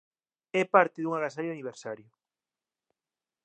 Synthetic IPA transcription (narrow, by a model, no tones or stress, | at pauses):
ɛpaɾt̪ɪðuŋaɣas̬aɾjʊaniβ̞eɾsaɾjʊ